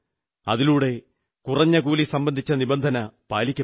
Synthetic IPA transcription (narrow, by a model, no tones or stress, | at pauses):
ɐðiluːɽe̞ | kurɐɲːɐk̬uːlisɐmbɐnd̪ʱit͡ɕːɐnibɐnd̪ʱɐnɐpaːlikʲːɐ